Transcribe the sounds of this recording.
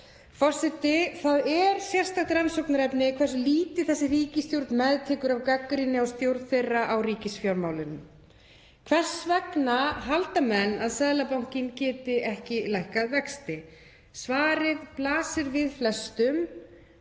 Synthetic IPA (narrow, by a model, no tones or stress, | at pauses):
fɔr̥sɪt̪ɪθaðɛɾsjɛr̥st̪axt̪ɾansɔwknaɾɛpnɪkʰvɛr̥sliːt̪ɪ̥θɛsːɪriːcɪst̪jowɾt̪nmɛðt̪ʰɛːkʏɾavkakːɾinɪast̪jowɾt̪θejrːaʔawriːcɪsfjawɾmaːwlɪnʏm | kʰv̥ɛr̥svɛknaɦalt̪amɛnːaðsɛðlapawŋ̥cɪncɛːt̪ɪʔɛhcɪlajhkaðvɛkst̪ɪ | svaːɾɪðplaːsɪɾvɪðflɛst̪ʏm